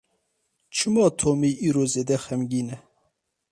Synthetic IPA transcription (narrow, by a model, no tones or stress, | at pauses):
t͡ʃʰɨmɑːt̪ʰoːmiːʔiːɾoːzeːd̪ɛxɛmɡiːnɛ